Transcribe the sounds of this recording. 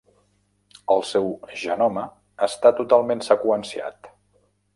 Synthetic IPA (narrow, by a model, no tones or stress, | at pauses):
əlˠsɛwʒənɔməː | st̪at̪ut̪alˠmensəkuənsia̰t̪